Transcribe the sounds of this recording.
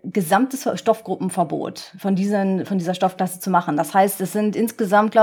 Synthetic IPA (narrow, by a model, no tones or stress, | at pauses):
ɡ̥əzamtəsʃtɔfɡ̥ʁʊpm̩fɛɐbo̰ːtfɔndiːzənfɔndiːzɐʃtɔfkl̥asət͡sumaχn̩dashaɪstɛsz̥ɪntʔɪnsɡ̥əzamt̚ɡ̥la